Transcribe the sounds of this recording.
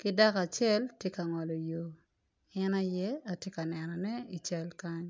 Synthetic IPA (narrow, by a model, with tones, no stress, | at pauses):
kɪ˦da˦ka˨t͡ʃɛ˦˨ltje˦ka˨ŋɔ˨lɔ˨jo˨ | ɛ˦na˦jɛ˦a˨tje˦ka˨nɛ˨nɔ˨nɛ˦i˨t͡ʃɛ˦lka˦ɲ